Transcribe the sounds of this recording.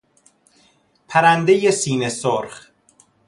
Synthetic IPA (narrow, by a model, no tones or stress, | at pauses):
pʰæɾænd̪ejesiːnesoɾχ